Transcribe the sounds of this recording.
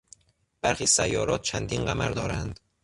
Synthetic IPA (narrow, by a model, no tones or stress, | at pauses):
b̥æɾxiːsæjːɒːɾɒːt̪̚t͡ʃʰænd̪iːnɢæmæɾd̪ɒːɾænd̪̥